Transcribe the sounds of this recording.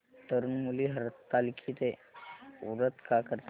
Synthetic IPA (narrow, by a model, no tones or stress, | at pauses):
t̪əɾunmuliːɦəɾt̪ːalkʰiːt̪e | uɾət̪kakəɾt̪